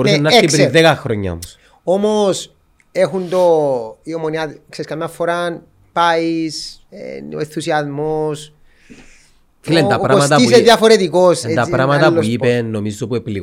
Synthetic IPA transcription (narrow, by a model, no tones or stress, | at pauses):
ɾusenːɐeikpɾiðekɐxɾoɲːɐ̰o̰mos | omos | exund̪oiomoniɐkseiskɐmjɐfːoɾan | paisḛenθusiɐzmos | filent̪ɐɾɐomsɐt̪ɐiseðjɐfoɾet̪ikoset̪ɐpɾɐmɐt̪ɐpːouipenːomizt̪opuepili